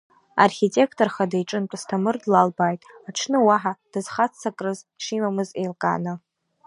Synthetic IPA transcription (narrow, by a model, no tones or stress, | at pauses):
arχʲitʼe̞kʰtʼorχadajʈ͡ʂʼɨnt͡pʷʼastʰamɨrdlalbajtʼaʈ͡ʂʰnɨwaħad̥ɨz̥χat͡sːakʼrɨzʂimamɨzejlkʼa̰nɨ